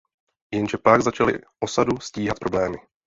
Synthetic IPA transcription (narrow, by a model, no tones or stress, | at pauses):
jɛnʒɛplaɡzat͡ʃalɪ̰ʔo̞sadusciːɦat̪pɾo̞blɛːmɪ